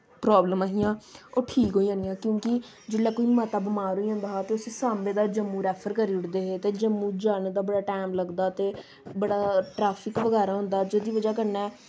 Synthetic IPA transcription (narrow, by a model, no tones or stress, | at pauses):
pɾaːbləmãːɦiːãːoːʈʰiːkɦoːiãːnjãːkjõːkɪ | d͡ʒɪlɛːkoːiːmaːt̪aːbəmaːɾoːiãːnd̪aːɦaːt̪eːʊsesaːmbẽːd̪aːd͡ʒəmːuːɾɛːpʰəɾkəɾiːʊʈd̪eːɦeːt̪eːd͡ʒəmːũːd͡ʒaːnːd̪aːbəɽaːʈɛːmləɡd̪aːt̪eː | bəɽaːʈɾaːpʰɪkʋəɡɛːɾaːɦʊ̃nd̪aːd͡ʒeːd̪iːʋəd͡ʒaːk̬əɾnɛː